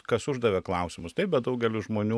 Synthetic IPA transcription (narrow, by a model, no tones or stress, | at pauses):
kɐsʊʒd̪ɐʋʲɛklˠɐʊsʲɪmʊst̪ɐɪp̚bʲɛt̪̚d̪ɐʊɡʲɛlʲʊʒmoːnʲuː